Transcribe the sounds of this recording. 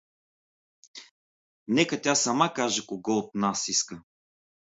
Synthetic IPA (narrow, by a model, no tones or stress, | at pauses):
nɛkət̪ʲjasɐmakaʒɛkoɡɔt̪nasiskə